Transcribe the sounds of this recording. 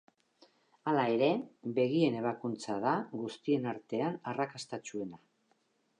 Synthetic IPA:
alae̞ɾe̞be̞ɣie̞ne̞β̞akunt͡saðaɣust̪ie̞naɾt̪e̞anarakast̪at͡ʃue̞na

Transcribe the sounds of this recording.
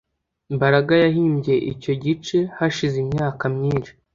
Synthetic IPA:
imbaɾaɡajaɦiːmɟe̞ʔico̞ɟit͡ʃe̞haʃizimɲaːkamɲiːnʃi̥

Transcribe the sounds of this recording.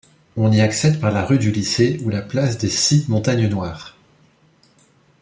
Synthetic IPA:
ɔ̃niaksɛt̪paʁlaʁyd̪yliseulaplasd̪esimɔ̃t̪aɲnwaːʁ

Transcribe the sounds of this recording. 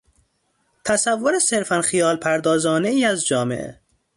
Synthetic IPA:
t̪ʰæsævːoɾeseɾfænxijɒːlpʰæɾd̪ɒːzɒːneiːæzd͡ʒɒːmḛʔḛ

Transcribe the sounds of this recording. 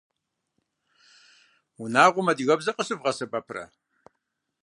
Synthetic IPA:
unaːʁʷʊmɐdiɣɐbzɐqʼəsɨbʁɐsɐbɐpʰrɐ̰

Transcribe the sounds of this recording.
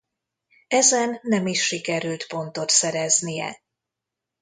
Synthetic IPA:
ɛzɛnːɛmiʃːikɛɾylt̪po̞nt̪o̞t̪sɛɾɛznijɛ̰

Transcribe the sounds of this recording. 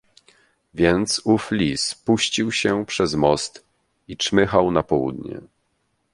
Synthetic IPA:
vʲjɛnt̪suflʲispuɕt͡ɕiwɕɛpʂɛzmɔst̪ | itmɘxawnapɔwṵd̪ɲɛ̰

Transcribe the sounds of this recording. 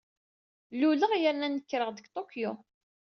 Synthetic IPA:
luləʁjəɾnænəkːɾəʁðəɡt̪ˤokjo

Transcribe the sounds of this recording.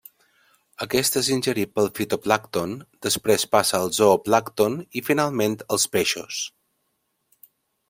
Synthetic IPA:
əkɛst̪ezinʲʒəɾipəlˠfit̪oplakt̪ond̪̥əspɾespasəːlˠzoplakt̪onifinalˠment̪əlˠspeʃṵs

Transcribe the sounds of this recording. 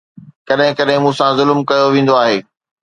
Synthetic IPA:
kɐɗɦɪ̃kɐɗɦɪ̃mũːsãzʊlmkɐjoʋẽːn̆d̪oaːɦeː

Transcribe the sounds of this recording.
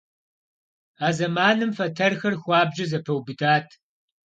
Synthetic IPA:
aːzɐmaːnɨmfɐtʰɐrxɐrxʷɑːbʒɐzɐpʰɐwbɨtʰaːtʰ

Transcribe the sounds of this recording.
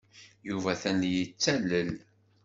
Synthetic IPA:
juvæθænjət͡sːæləl

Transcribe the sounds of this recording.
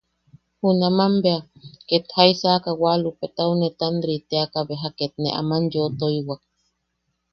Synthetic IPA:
hunamambeaket̪haisakawalupet̪aunet̪and̪ɾit̪eakabeɦaket̪̚nḛʔa̰manjot̪oiwak̚

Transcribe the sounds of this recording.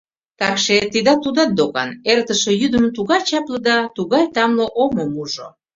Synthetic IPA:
t̪ɑkʃet̪id̪ɑt̪ud̪ɑt̪̚d̪okɑ̰nert̪əʃejyd̪əmt̪uɣɑjt͡ɕɑpləd̪ɑt̪uɣɑjt̪ɑmləʔomomuʒo̰

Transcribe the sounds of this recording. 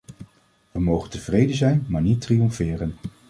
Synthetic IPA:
ʋəmowχəntəvrejdəzɛjnmaːɹnitrijɔmfɪːrən

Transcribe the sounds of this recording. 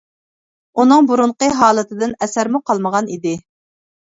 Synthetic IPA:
unɨŋbuɾuɴqəɦɑːlˠɨt̪ʰɨd̪ɪnɛsæɾmuqʰɑlˠməʁɑnid̪ɪ

